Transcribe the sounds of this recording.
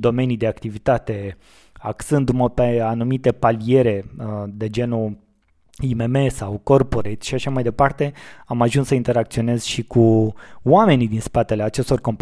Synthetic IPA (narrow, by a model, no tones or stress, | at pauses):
d̪o̞me̞nid̪e̞akt̪ivit̪at̪e̞ | aksɨnd̪uməpeanumit̪e̞palie̞ɾe̞d̪e̞d͡ʒe̞nu | imeme̞sawko̞rpo̞ɾet̪ʲʃiʃaʃamajd̪e̞part̪e̞amaʒunsəint̪e̞ɾak̚t̪sio̞ne̞z̥ʃikʰuwame̞nid̪inspat̪e̞le̞at͡ʃe̞st̪o̞rko̞mp